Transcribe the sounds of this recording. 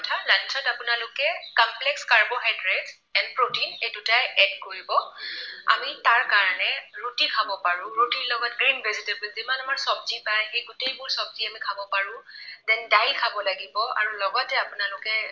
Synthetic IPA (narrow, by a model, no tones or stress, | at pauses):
kkɔtʰalansɔtapʊnalʊkɛkamplɛkskaɹboɦadɹɛdz | ɛnpɹotinetutajɛdkoɹibɔ | a̰mitaɹkaɹanɛɹutikʰabɔpaɹʊ̃ɹotiɹlɔɡɔtɡɹinbʱizitebəlzimanamaɹsɔbzipajxejɡʊtejbʊɹsɔb̚ziamikʰabɔpaɹʊ̃dɛndajkʰabɔlaɡibɔa̰ɹulɔɡɔtɛapʊnalʊkɛ